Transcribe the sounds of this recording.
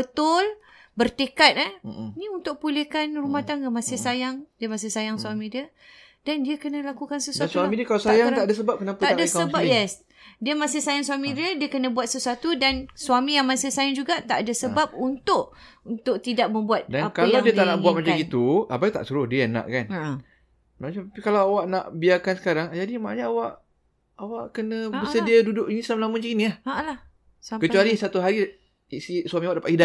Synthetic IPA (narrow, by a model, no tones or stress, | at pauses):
bət̪ʊl | bərt̪ekat̪̚aniunt̪ʊk̚pulekanrumat̪ankəmãsɪhsajaŋdiəmasɪhsajaŋsuamĩdiə | dandiəkənəlakukansəsuatsuamĩdiəkalasajaŋt̪aʔdas̬əbap̚kənapəaadasəbajɛs | diəmãsɪhsajaŋswamĩdiədiəkənə̃buat̪̚səsuat̪udansuamĩjaŋmasɪhsajaŋd͡ʒuɡat̪aʔadasəbap̚unt̪ʊʔ | nt̪ʊk̚t̪idaʔ̚mə̃mbuat̪̚daapkaljawdiət̪aʔnaʔbuat̪̚mat͡ʃaɡit̪uabajt̪a̰ʔsuɾʊhdiənã̰ʔkan | maɲaapikalawawaʔna̰ʔbiakansə̥kaɾaŋd͡ʒadimaʔa̰ɲaːwaʔ | awaʔkənə̃bəɾsədiadudʊʔinisamlamũt͡ʃiiniahalah | sakət͡ʃualisat̪uɦaɾi | isisuamĩawaʔdapaʔida